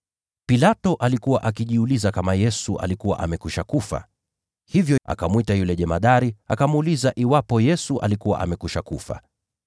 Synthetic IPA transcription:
pilatɔʔalikuwaʔakiʄiulizakamajɛsuʔa̰likuwa̰ʔa̰mɛkuʃakufa̰ | hivjɔa̰kamwitajulɛʄɛmaɗaɾiakamuːlizaʔiwapɔjɛsuʔa̰likuwa̰ʔa̰mɛkuʃakufa̰

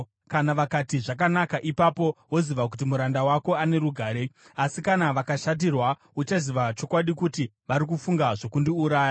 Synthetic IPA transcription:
kanaʋakatiʐakanakaʔipapo̞wo̞ziʋak̬ut̬imuɾandawako̞ane̞ɾuɡʱaːɾeasikanaʋakaʃat̬irwa | ut͡ʃaziʋat͡ʃo̞kwaɗikuti | ʋaɾikufuŋɡaʐo̞kundiuɾaːja

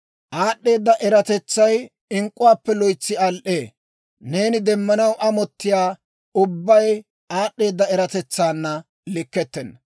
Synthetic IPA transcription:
ʔaːɗːe̞ːd̪ːɐʔɛɾɐt̪ɛt͡sːɐj | ɪŋkʼːʊwaːpːɛlɔjt͡sːɪɐlʔeː | ne̞ːnɪd̪ɛmːɐnɐwʔɐmɔt̪ːɪjaː | ʊbːɐj | aːɗːe̞ːd̪ːɐɛɾɐt̪ɛt͡sːaːnːɐ | lɪkːɛt̪ːɛnːɐ

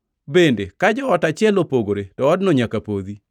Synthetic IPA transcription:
bendekad͡ʒɔɔtat͡ʃɪɛlopoɡoɾetɔːdnɔɲakapoði

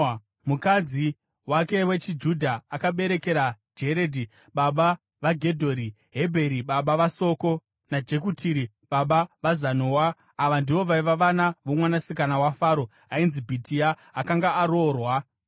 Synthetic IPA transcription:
mukad͡zi | wake̞we̞t͡ʃid͡ʒudʱaːkaɓe̞ɾe̞ke̞ɾad͡ʒe̞ɾe̞dʱi | ɓaɓa | ʋaɡʱe̞dʱo̞ɾi | ɦe̞bʱe̞ɾiɓaɓaʋaso̞ko̞ | nad͡ʒe̞kutʰiɾi | ɓaɓaʋazanoːwaː | ʋandiʋo̞ʋaiʋaʋanaʋomwanasikanawafaːɾo̞ | ainzibʱitʰiaːkaŋɡaːɾo̞ːrwa

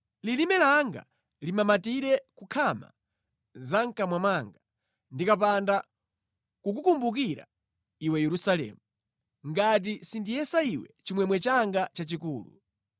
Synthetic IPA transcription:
lilimɛlaŋɡa̰ | limamatiɾɛkukʰama̰ | zaŋ̩kamwamaŋɡa | ndikapanda | kukukumbukiɾa̰ | iwɛjɛɾusalɛ̰ːmu | ŋɡat̬isindijɛsaiwɛ̰t͡ʃimwɛmwɛt͡ʃaŋɡat͡ʃat͡ʃikuːlṵ

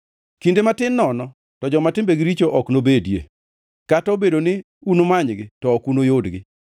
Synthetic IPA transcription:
kindematɪnːɔnɔ | tɔd͡ʒɔmatɪmbeɡɪɾit͡ʃoʔɔknobedjḛ | kataobedonɪ | unomaɲɡɪtɔːkunojodɡɪ

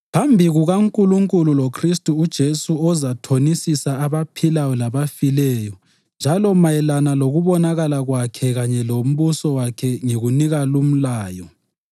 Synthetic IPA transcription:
pʰambʱiɣuɣaŋkʼuluŋkʼululokʰristʼuːd̥ʒ̥ʱesuɔzatʰonisisaːβapʰilajɔlaβafilɛːjɔ | nd͡ʒʱalɔmajɛlanaloɣuβɔnaɣalaɣwakʰɛɣaɲɛlom̩βusɔwakʰɛŋeɣuniɣalum̩laːjɔ

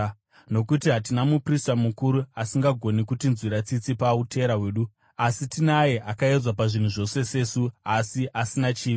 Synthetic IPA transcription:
no̞kutiɦat̬inamupristamukuɾuasiŋɡaɡʱo̞nikutinzwiɾat͡sit͡sipautʰe̞ɾaɦwe̞ːɗu | asitinajeʔakaed͡zwapaʐin̤uʐo̞se̞se̞ːsuasiʔasinat͡ʃiːʋi

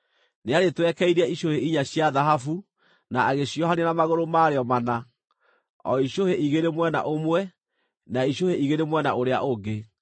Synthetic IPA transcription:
neaɾetwɛkɛiɾeɛiɕoheiɲaɕjaðaɦafu | naaɣeɕjɔhanenamaɣoɾomaːɾeɔmana | ɔ̰iɕoheʔiɣeɾemwɛna̰ʔomwɛ | naiɕoheiɣeɾemwɛnaʔoɾeaʔoɡe

